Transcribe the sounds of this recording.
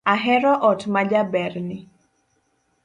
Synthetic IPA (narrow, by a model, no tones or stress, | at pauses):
aɦɛɾɔʔɔtmad͡ʒabɛrnɪ